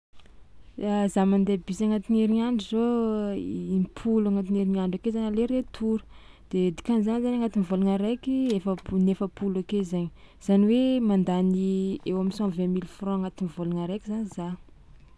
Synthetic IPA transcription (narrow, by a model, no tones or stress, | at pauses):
azamand̪ebisaŋat̪ineɾiɲaɳɖ͡ʐizo | impʰulaŋat̪ineɾinaɳɖ͡ʐakezanaleɾet̪ʰuɾu̥ | d̪̥ed̪i̥kanizanzanaŋat̪inivoluŋaɾekiefənefəpulakezaɲ | z̥aniwemand̪aniewaminsɔ̃vɛ̃milfrɔ̃aŋat̪inivolaŋaɾekʲizanza